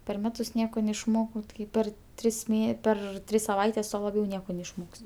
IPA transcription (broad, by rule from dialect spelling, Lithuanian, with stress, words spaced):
pʲɛr ˈmʲæːtʊs ˈnʲiɛkoː nʲɛɪʃˈmoːkɐʊ ˈtɐɪ ˈpʲɛr ˈtʲrʲɪs ˈmʲeː ˈpʲɛr ˈtʲrʲɪs sɐˈʋɐɪtʲɛs ˈtuɔ lˠɐˈbʲɛʊ ˈnʲiɛkoː nʲɛɪʃˈmoːkʲsʲ